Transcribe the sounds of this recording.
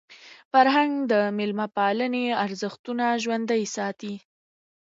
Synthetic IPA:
faɾɦaŋɡd̪əmɪlmapɑləneaɾzəxt̪unaʒwand̪ajsɑt̪i

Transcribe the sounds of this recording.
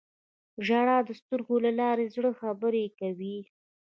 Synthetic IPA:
ʒaɽɑd̪əst̪uɾɡolalɑɾezɽəxabəɾekawi

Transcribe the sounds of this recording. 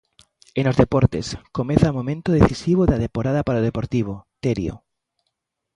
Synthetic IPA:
enozðepoɾt̪ḛskomẽθamõmẽnt̪oðeθisiβoðaðempoɾaðapaɾaoðepoɾt̪iβ̞ot̪eɾjo̰

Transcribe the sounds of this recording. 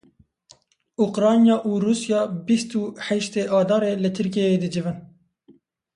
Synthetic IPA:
uqɾɑːnjɑːʔuːɾuːsjɑːbist̪uːħɛʃt̪eːʔɑːd̪ɑːɾeːlɨt̪ʰɨɾk̬ejeːd̪ɨd͡ʒɨvɨn

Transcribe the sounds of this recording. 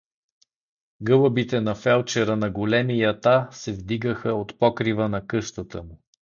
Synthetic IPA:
ɡɤləbit̪ɛnɐfɛlˠt͡ʃɛɾənɐɡolɛmijɐt̪asɛvd̪iɡəxəot̪pɔkɾivənɐkɤʃt̪ət̪əmu

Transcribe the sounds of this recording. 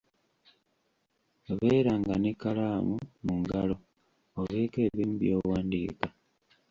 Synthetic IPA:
βeːɾaŋɡanekalamumuŋɡalo̞ | oβeːke̞ːβiːmbijowaːndḭːka

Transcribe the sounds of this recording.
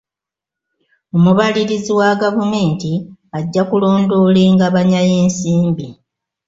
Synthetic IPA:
o̞muβaliɾiziwaɡavume̞ːntiaɟːakulo̞ːndo̞le̞ːŋɡaβaɲaje̞ːnsiːmbi

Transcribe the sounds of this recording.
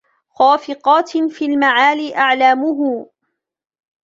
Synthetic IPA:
xaːfɪqɑːt̪fiːlmaʕaːliːʔaʕlaːmʊɦʊ

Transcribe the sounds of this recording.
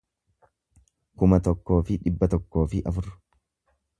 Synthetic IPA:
kʊmɐt̪ɔkːo̞ːfɪᶑɪbːɐt̪ɔkːo̞ːfɪʔɐfʊrːʊ̥

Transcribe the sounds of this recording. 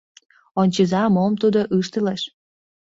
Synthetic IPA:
onʲt͡ɕizɑmomt̪ud̪oʔɯʃt̪əleʃ

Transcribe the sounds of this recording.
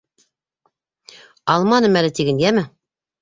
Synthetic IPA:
ɑlˠmɑnɤmælɘt̪iɡɘ̆nɡæmɘ

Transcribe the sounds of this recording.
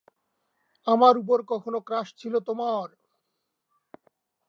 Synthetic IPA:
amaɾup̬oɾkɔkʰonokɾaʃt͡ɕʰilot̪omaɾ

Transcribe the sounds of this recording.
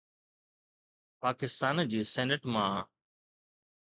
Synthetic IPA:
paːkɪst̪aːnd͡ʑiːsɛːnəʈmãː

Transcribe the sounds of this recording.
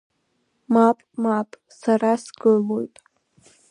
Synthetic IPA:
mapʼmapʼ | saɾasɡɨlojtʼ

